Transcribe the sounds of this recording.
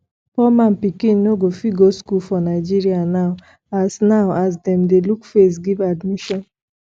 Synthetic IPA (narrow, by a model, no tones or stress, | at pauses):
pɔmãnpikĩnːoɡofiɡoskulfɔnaɪd͡ʒiɾianaʊ | asnaʊaz̬dɛ̃mdelukfes̬ɡivadmiʃɔ̃n